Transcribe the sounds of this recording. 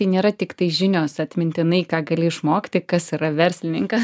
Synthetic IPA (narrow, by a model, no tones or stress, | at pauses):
ɐɪnʲeːɾɐt̪ʲɪkt̪ɐɪʒʲɪnʲoːsɐt̪ʲmʲɪnʲt̪ʲɪnɐɪkɑːɡɐlʲɪɪʃmoːkʲt̪ʲɪkɐsiːɾɐʋʲɛɾʲsʲlʲɪnʲɪŋkɐ